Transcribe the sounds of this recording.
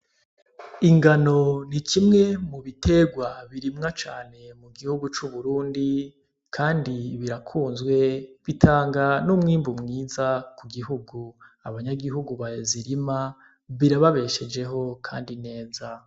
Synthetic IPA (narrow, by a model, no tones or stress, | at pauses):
iŋɡano̞nikimŋe̞muβitʰe̞ɡwaβiɾimŋat͡ʃa̰ːne̞muɡihuɡut͡ʃuβuɾuːndi | kʰaːndiβiɾakʰuːnzɡwe̞βitʰaːŋɡanumŋiːmbumŋiːzakuɡiɦuɡuaβaɲaɡiɦuɡuβajziɾima | βiɾaβaβe̞ʃe̞d͡ʒe̞ɦo̞kʰa̰ːndine̞ːza